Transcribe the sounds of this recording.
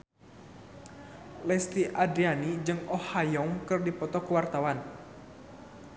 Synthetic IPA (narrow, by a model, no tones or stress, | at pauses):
lɛst̪iʔadɾianid͡ʒɨŋɔhajɔŋkɨrdipɔt̪ɔkəwart̪awan